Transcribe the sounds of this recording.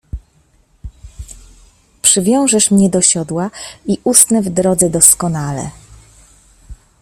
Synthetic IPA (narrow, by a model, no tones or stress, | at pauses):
pʂɘvʲjɔ̃w̃ʐɛʂmɲɛd̪ɔɕɔd̪waiʔust̪nɛvd̪ɾɔd̪zɛd̪ɔskɔnalɛ̰